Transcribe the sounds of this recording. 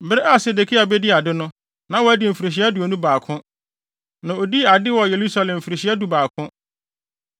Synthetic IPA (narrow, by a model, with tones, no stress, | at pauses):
bɪ˦ɾɪ˦ʔa˦˨se˨de˨kʰi˦a˨bɛ˦di˦a˨dɪ˦nʊ̃˦ | nã˨˦wɔ˨æ˦dɪ˨m̩˨fi˨ɾe˨ɕ̬i˦a˦du˨o˨nũ˦baː˨kʰʊ̃˦ | nã˨o˨di˦˨a˨dɪ˦wɔ˨je˨ɾu˦sa˦˨lɛ̃˨m̩˨fi˨ɾe˨ɕi˦æ˦du˨baː˨kʰʊ̃˦